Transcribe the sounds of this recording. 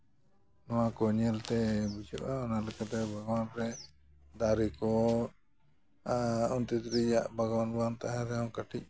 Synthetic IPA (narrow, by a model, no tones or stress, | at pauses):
nɔwakɔɲɛlt̪ɛbid͡ʒɔʔaɔnalɛkat̪ɛbʱaɡwanɾɛ | d̪aɾikɔ | ɔnt̪ɛt̪ɾɛjaʔbʱaɡwanbant̪aɦaɾɛawkəʈʰic̚